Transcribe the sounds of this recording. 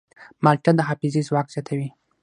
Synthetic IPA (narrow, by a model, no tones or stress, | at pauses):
mɑlʈad̪əxɑfɪzizwɑkz̥jɑt̪ʰawi